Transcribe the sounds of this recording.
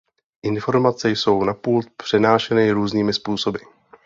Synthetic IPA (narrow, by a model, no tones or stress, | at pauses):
ʔɪnfo̞ɾmat͡sɛjso̞wnapuːlt̪̚pr̝̥ɛnaːʃɛnɪɾuːzniːmɪspuːso̞bɪ